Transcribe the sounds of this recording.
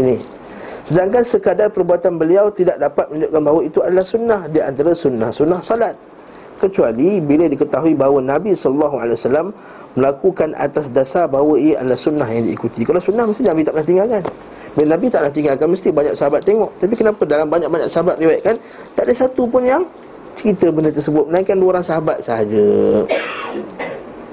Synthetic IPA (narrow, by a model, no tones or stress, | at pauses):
ini | sədaŋkansəkadapəɾbuat̪anbəliawt̪idaʔ̚dapat̪̚mə̃ɲdʊʔ̚kanbawəit̪uadalahsunːahdiʔa̰nt̪aɾasunːahsunːahsolat̪̚ | kət͡ʃualibiladikət̪aɦuibaɦwənabisɔlɔlːɔɦua̰lawasalamː | əlakukanʔa̰t̪asdasabawəʔa̰dalahsunːahjaŋdḭːkut̪ikalawsunːahməst̪inabit̪aʔnaht̪iŋɡalkan | bilənabit̪aʔnaht̪iŋɡalkanməst̪ibaɲaksəɦabat̪ːeŋɔʔt̪ap̬ikənapadalambaɲaʔ̚baɲa̰ksəɦabat̪̚riwaiʔ̪̚kan | t̪aʔdəsat̪up̬ʊnjaŋ | t͡ʃəɾit̪əbəndət̪ərsəbʊt̪̚mənaiŋkanluɾaŋsəɦabat̪̚səɦad͡ʒə